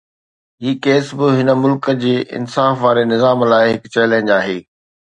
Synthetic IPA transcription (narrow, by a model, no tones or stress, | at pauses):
ɦiːkeːsbɪɦɪnəmʊlkə̆d͡ʑeːʔɪ̰nsaːfʋaːɾenɪzaːmlaːɪɦɪkt͡ɕɐɪlə̃ɪ̃nd͡ʑaːɦeː